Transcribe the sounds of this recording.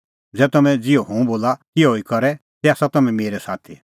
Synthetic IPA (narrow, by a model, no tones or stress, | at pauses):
d͡zɛːt̪ɐmɛ̃d͡zɪoɦõũboːlakioːikɔɾɛ | t̪ɛaːsat̪ɐmɛ̃meːɾɛsaːt̪ʰi